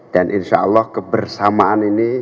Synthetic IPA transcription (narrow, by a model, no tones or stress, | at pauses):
d̥anʔinʃa̰əlːɔhkəbərsamaanini